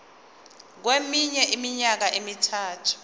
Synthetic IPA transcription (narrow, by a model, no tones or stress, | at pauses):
k̬wemiɲɛʔimiɲak̬aʔimitʰaːtʰu̥